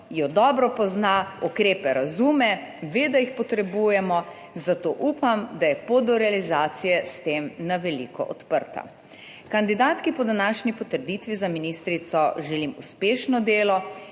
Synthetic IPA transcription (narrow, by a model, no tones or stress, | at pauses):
jɔd̪ɔbɾɔpɔznaukɾeːpɛɾazuːmɛʋed̪aixpɔt̪ɾɛbujɛmɔ | zat̪oːʔupamd̪ajɛpod̪ɔɾɛalizaːt̪sijɛst̪eːmnaʋɛlḭːkɔ̰ʔɔt̪pəɾt̪a̰ | kand̪id̪aːt̪kipɔd̪anaːʃnipɔt̪əɾd̪it̪ʋizaminist̪ɾit̪sɔʒɛlimṵspeːʃnɔd̪eːlɔ